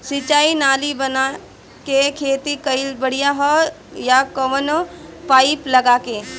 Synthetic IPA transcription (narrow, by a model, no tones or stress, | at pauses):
sit͡ʃaːinaːlibɐna | kekʰeːt̪ikɐɪlbəɽ̤ijaɦɔ | jakɐʋənpaːɪplɐɡaːkeː